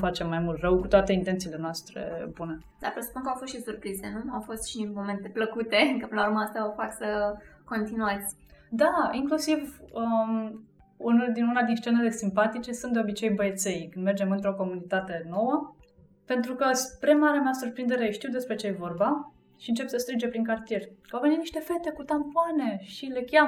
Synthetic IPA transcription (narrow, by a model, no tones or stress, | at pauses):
fat͡ʃe̞mːajmult̪rəwkut̪oat̪e̞int̪e̞nt̪sile̞noast̪ɾḛbune | d̪̥a̰ɾpɾesə̥punkəawfost̪ʃisurpɾize̞nuawfo̞st̪ʃinmome̞nt̪e̞pləkut̪e̞kəplauɾməast̪aofaksəko̞nt̪inuat̪sʲ | d̪aiŋklusivə | unod̪inunad̪inst͡ʃe̞nele̞simpat̪it͡ʃe̞sɨnt̪d̪eo̞bit͡ʃe̞jbəet̪se̞jkɨnd̪me̞rd͡ʒe̞mɨnt̪ɾo̞ko̞munit̪at̪e̞no̞wə | pe̞nt̪ɾukəspɾe̞maɾeameasurpɾind̪e̞ɾeʃt̪iwd̪e̞spɾe̞t͡ʃejevo̞rba | ʃiɨnt͡ʃe̞psəst̪ɾɨnd͡ʒe̞pɾiŋkart̪ije̞rʲkawvenit̪niʃt̪e̞fe̞t̪e̞kut̪ampoane̞ʃile̞kʲjam